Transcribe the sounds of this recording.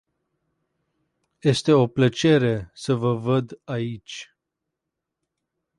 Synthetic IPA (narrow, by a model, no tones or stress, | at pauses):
je̞st̪e̞o̞plət͡ʃe̞ɾe̞səvəvəd̪ait͡ʃʲ